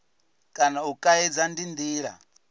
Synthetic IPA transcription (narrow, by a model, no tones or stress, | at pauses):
kʼanaukʼaɛd͡zandind̪iːɺa̰